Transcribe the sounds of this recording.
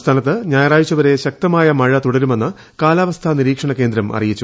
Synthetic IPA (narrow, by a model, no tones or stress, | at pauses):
st̪ʰaːnɐt̪ːɨɲaːjɐraːjit͡ɕːɐʋɐɾe̞ɕɐk̚t̪ɐmaːjɐmɐɻɐt̪uɽɐɾume̞nːɨ | kaːlaːʋɐst̪ʰɐniɾiːkʂɐɳɐke̞ːnd̪ɾɐmʔɐ̰rijit͡ɕːu